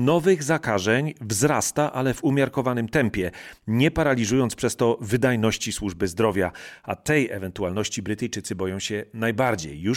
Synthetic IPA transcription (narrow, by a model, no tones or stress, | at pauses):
nɔvɘɣzakaʐɛɲvzɾast̪aʔalɛvumʲjaɾkɔvanɘmt̪ɛmpʲjɛɲɛpaɾalʲizujɔnt̪spʂɛst̪ɔvɘd̪ajnɔɕt͡ɕiswuʐbɘzd̪ɾɔvʲjaat̪ɛjɛ̰vɛnt̪ualnɔɕt͡ɕibɾɘt̪ɘjt͡ʂɘt̪sɘbɔjɔ̃w̃ɕɛnajbaɾd͡ʑejːu